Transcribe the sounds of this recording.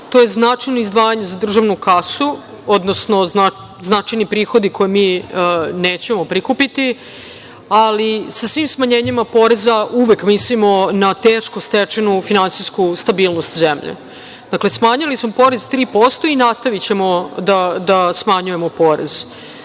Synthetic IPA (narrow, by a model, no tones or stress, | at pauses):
t̪o̞jeznat͡ʂajnoizd̪ʋaːjaɲezad̪r̩ʒaʋnukasu | o̞d̪nosno̞zna | znat͡ʃajnipɾiːxo̞d̪ikʰo̞jemiːneːt͡ɕe̞mo̞pɾikupit̪i | alisasʋiːmsmaɲeːɲimapo̞ɾezauʋekmislimo̞nat̪eːʃkost̪et͡ʃenufinansiskust̪abiːlˠnost̪zemʎḛ | d̪̥akle̞smaɲalismo̞po̞ɾezt̪ɾiːpo̞st̪o̞inast̪aʋit͡ɕe̞mo̞d̪ad̪asmaɲuje̞mo̞poːɾḛz̥